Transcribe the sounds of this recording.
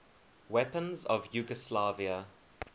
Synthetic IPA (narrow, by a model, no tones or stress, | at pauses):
wɛpə̃nzɔvjuːɡəslaviə